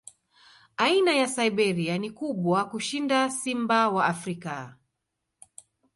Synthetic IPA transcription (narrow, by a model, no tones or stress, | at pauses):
ainajasaiɓɛɾianikuɓwakuʃindasimbawaafɾika